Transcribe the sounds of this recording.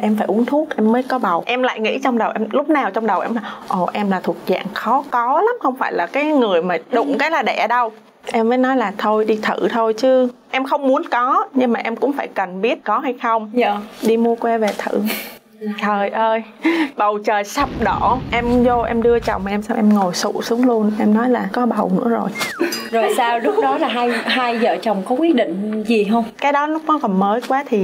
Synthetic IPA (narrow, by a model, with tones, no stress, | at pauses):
ʔɛ˧mfaː˧˩jʔu˨˦ənt̪ʰu˦˥ək̚ʔɛ˧mːəː˨˦jkɔ˨˦ɓə˨˩wʔɛ˧mla̰ː˧˨jŋḭ˧˥t͡ɕɔ˧wŋ͡mɗə˨˩wʔɛ˧mlʊ˦˥k͡p̚naː˨˩wt͡ɕwŋ͡mɗə˨˩wʔɛ˧mlaː˨˩ʔo˧˩ʔɛ˧mlaː˨˩t̪ʰu˨˩ək̚za̰ː˧˨nxɔ˨˦kɔ˨˦la˨˦mxə˧wŋ͡mfaː˧˩jlaː˨˩kaː˨˦jŋɨ˨˩əjmaː˨˩ɗʊ̰˧˩ŋ͡mkaː˨˦jlaː˨˩ɗɛ̰˧˩ɗə˧w | ʔɛ˧mvəː˨˦jnɔ˨˦jlaː˨˩t̪ʰo˧jɗi˧t̪ʰɨ̰˧˩˨t̪ʰo˧jt͡ɕɨ˨˦ʔɛ˧mxə˧wŋ͡mmu˨˦ənkɔ˨˦ɲɨ˧ŋmaː˨˩ʔɛ˧mkʊ̰˧˥ŋ͡mfaː˧˩jkə˨˩nɓi˦˥ət̚kɔ˨˦ɦa˧jxə˧wŋ͡məː˨˩ɗi˧mu˧əkwɛ˧ve˨˩t̪ʰɨ̰˧˩˨ | t̪ʰəː˨˩jʔəː˧j | ɓə˨˩wt͡ɕəː˨˩jsə˦˥p̚ɗo˧˩ʔɛ˧mzo˧ʔɛ˧mɗɨ˧ət͡ɕə̰˨˩wŋ͡ma˨˩ʔɛ˧msaː˧mʔɛ˧mŋo˨˩jsṵ˧˩sɨ˨˦əŋlu˧ənʔɛ˧mnɔ˨˦jlaː˨˩kɔ˨˦ɓə˨˩wnɨ̰˧˥əzo˨˩jzo˨˩jsaː˧wɗʊ˦˥ɗɔ˨˦laː˨˩ɦaː˧jɦaː˧jzəː˧˨˩t͡ɕə˨˩wŋ͡mkɔ˨˦kwi˨˦˥əɗḭ̈˧˨ŋ̟zi˨˩ɦə˧wŋ͡mkaː˨˦jɗɔ˨˦lʊ˦˥k͡p̚nɔ˨˦kɔ˨˩nməː˨˦jkwaː˨˦t̪ʰi˨˩